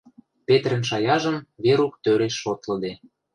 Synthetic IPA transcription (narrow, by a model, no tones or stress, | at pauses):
pet̪rə̆nʃɑjɑʒə̆mβeɾukt̪øɾeʃːot̪lɤ̆d̪e